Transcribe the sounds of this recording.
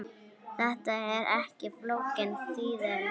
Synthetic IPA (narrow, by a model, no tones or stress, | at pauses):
θɛht̪aɛɾʔɛhcɪplowcɪnt̪iːðɪɾ